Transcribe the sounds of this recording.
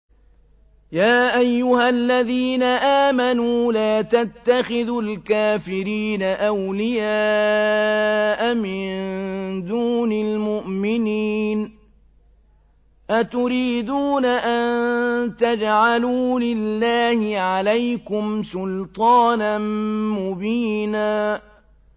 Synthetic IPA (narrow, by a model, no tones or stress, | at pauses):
jaːʔajːʊhalːaðiːnaʔaːmanuːlaːt̪at̪ːaxɪðʊlkaːfɪɾiːnaʔawlɪjaː | ʔamɪnnd̪uːnɪlmʊʔmɪniːn | ʔat̪ʊɾiːd̪uːnaʔant̪ad͡ʒʕaluːlɪlːaːhɪʕalajkʊmsʊlt̪ˤɑːnanmʊbiːnaː